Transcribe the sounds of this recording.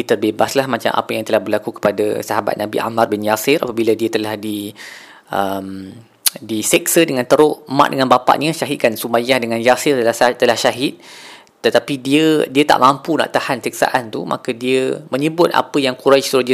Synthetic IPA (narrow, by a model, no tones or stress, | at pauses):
it̪ərbebaslahmat͡ʃa̰mʔa̰pəjaŋt̪əlahbərlakukə̥padə̰saɦaba̰t̪̚nabḭʔa̰marbɪnjasɪɾa̰pabilədiət̪əlahdi | ʔəm | disɛksədəŋãnt̪əɾʊʔma̰ʔdəŋanbapa̰ʔɲəʃaɦɪt̪̚kansumajahdəŋãnjasɪrəlat̪əlahʃaɦɪt̪̚ | t̪ət̪apidiədiət̪a̰ʔmãmpuna̰ʔt̪ahansik̚sa̰ʔant̪umʔa̰kədiəmə̃ɲəbʊt̪̚ʔa̰pəjaŋkuɾajst̪ɾod͡ʒi